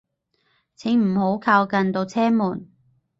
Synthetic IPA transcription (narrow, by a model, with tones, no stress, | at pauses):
t͡sʰɪ˨˥ŋm̩˨˩ho˨˥wkʰaː˧wkɐ˧nt̪o˧wt͡sʰɛː˥muː˨˩n